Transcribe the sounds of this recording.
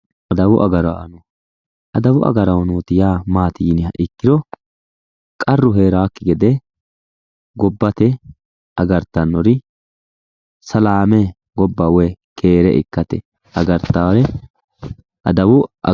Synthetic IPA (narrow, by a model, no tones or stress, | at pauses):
ʔɐd̪ɐwʊʔɐɡɐɾaʔɐnɔ | ʔɐd̪ɐwʊʔɐ̰ɡɐɾɐwnoːt̪ɪjaːmaːt̪iːnɪhɐ̰ʔɪkːɪɾɔ | kʼɐrːʊɦeːɾaːkːɪɡɛd̪ɛ | ɡɔbːɐt̪ɛ | ʔɐɡɐɾt̪ːɐnːɔɾɪ | sɐlaːmɛ | ɡɔbːawɛkʰeːɾɛʔɪ̰kːɐt̪ɛ | ɐɡɐɾt̪ːaɾɛ | ʔɐ̰d̪ɐwʊ